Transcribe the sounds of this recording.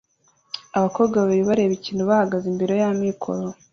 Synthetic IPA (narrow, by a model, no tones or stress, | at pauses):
aβako̞ːβɡaβeɾiβaɾe̞βiciːnuβahaɡazimbiɾo̞jamikʰo̰ɾo